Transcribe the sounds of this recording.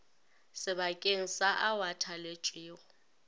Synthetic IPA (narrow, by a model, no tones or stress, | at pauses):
sɪbakʼeŋ̩saʔawatʰalet͡ʃʼiːɣʊ